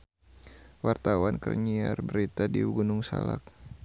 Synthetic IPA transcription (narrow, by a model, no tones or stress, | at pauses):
wart̪awankərɲiarbəɾit̪adiɡunʊŋsa̰lak̚